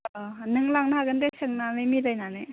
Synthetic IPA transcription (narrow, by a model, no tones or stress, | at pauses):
nɯŋlaŋnaaɡɯndesʰɯŋnanɯmiɾajnanɯ